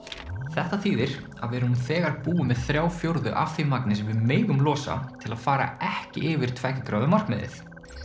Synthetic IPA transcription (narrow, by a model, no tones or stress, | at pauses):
θɛht̪aθiːðɪɾ̥ | aðvɪɾmθɛːɣaɾpuːʏmɛðθɾjaːwfjowɾðʏ̰ʔa̰fθimaknɪsvɪðmeːjɣʏmlɔːsa̰t̪ʰɪlaðfaːɾa̰ɛhcɪ̰ʔɪːvɪɾ̥t̪ʰvɛhcɪkɾaːðʏmar̥kmɪðɪ̰θ